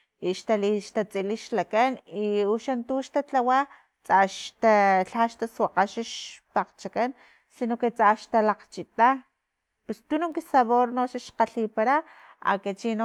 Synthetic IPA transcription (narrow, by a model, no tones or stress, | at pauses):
iʃt̪aliʃt̪at͡sʼiliʃlakaniuʃant̪uʃt̪at͡ɬawa | t͡saʃt̪aɬaʃt̪aswaqaʃiʃpaqt͡ʃakan | sinoket͡sʼaʃt̪alaqt͡ʃit̪a | pest̪unuŋkisaβoɾnoʃaʃqaɬipaɾa | a̰kat͡ʃino